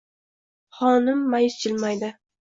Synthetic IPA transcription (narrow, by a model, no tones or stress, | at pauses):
χɒnɪmːajɪst͡ʃʰɪlmajd̪ɪ